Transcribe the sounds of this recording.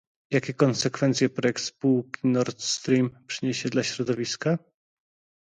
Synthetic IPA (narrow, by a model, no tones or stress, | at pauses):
jakʲɛkɔnsɛkfɛnt̪sʲjɛpɾɔjɛk̚t̪spuwkʲinɔɾt̪st̪ɾʲimpʂɘɲeɕɛd̪laɕɾɔd̪ɔvʲiska